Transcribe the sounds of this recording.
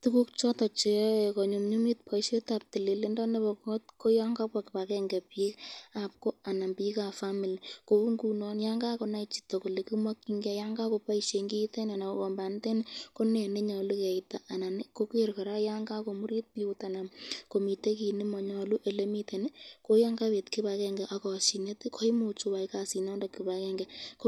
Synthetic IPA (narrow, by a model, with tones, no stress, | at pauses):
tuku˦kt͡ʃɔ˦tɔ˨t͡ʃe˨˦˨kɔ˨ɲo˨mɲu˦mi˦t̚pʰa˨iʃe˦ta˨p̚ti˨li˨le˦ndɔ˦ne˦bɔ˨kɔ˦t̚ko˦ja˦ŋɡa˦pa˨kɪ˨pa˨kɛ˧ŋɡɛ˨pika˨p̚ko˦a˨na˨mpika˨fa˦mi˨lko˨u˦ŋɡu˨nɔ˦njaŋɡa˦ko˨na˦it͡ʃi̥˨tɔ˨ko˨le˨ki˦mwa˦ki˦ŋɡɛ˦ja˦ŋɡa˦ko˧pa˦iʃe˨ŋɡi˦te˦na˨na˨kɔ˨mba˨nte˦nko˦ne˨ne˦ɲɔ˨lu˦kɛ˨ita˨ʔa˨na˨ne˦ko˦ke˦ɾkɔ˨ɾa˦ja˦ŋɡa˦ko˨mu˦ɾi˦t̚pi˦u˦ta˨na˨mko˨mi˨te˦ki˨nɪ˦mɔ˨ɲɔ˨lu˦ʔe˨le˦mi˦te˨ne˦ko˦ja˦ŋɡa˦we˨tki˦ba˨kɛ˦ŋɡɛ˨ʔa˨kɔ˨si˨ne˦ti˦kʰo˦i˦mo˨t͡ʃu˨wa˨i˦ka˨si˨na˦nda˨ki˨ba˨˦kɛ˦ŋɡɛ˨k